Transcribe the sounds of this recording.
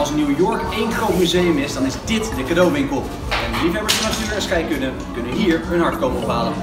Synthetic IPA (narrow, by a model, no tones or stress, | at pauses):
lˠsnuwjʊɹkejnχrowtmyzejəmɪsdɑnɪzdɪtdəkadowʋɪŋkəlˠ | ɛnlivɛbəsnɑstøːɹɛsχɛjkɵnə | kɵnəɦiːɹɦɵnɑɹfə̥kopɔpaːlən